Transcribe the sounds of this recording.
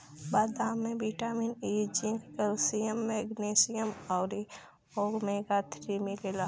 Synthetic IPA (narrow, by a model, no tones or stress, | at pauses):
bad̪aːmːẽbiʈaːminiːd͡ʒiŋɡkəlsijəmːeɡnesijəmɔːɾi | oːɾmeɡat̪ʰɾimilela